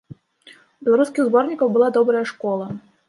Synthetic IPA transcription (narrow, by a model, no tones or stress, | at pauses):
bʲɛlˠaɾuskʲiɣzbɔrnʲikɐwbɨlˠad̪ɔbɾɐjɐʂkɔlˠɐ